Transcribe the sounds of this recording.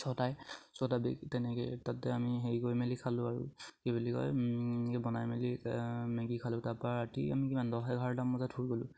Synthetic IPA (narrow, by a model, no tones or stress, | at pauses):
sɔtajsɔtabḭktɛnɛkɛ̰tatɛamiɦejɡojmelikʰalʊaɹṵkebilikɔ̰jkɛbɔnajmelimeɡikʰalʊ̃taɹpɔaɹatia̰mikimandɔɦɛɡʱaɹdamːɔzatʰuɹɡolʊ̰̃